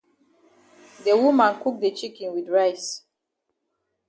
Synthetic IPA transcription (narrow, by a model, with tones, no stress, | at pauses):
də˨wu˦mã˨nku˦k̚de˨t͡ʃi˦kĩnwi˨dɹaɪs